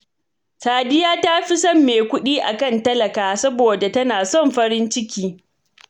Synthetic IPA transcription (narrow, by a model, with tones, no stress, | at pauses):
saː˨dɪ˦jaː˦ta˦ɸi˦sɔ˦˨mːeː˨kʷʊ˦ɗiː˦ʔa˨kɐ˦˨ntɐ˦lɐ˨kaː˨sɐ˦boː˨da˨tɐ˦naː˨sɔ˦˨mɸɐ˦ɾɪ˦nt͡ʃɪ˦kʲiː˦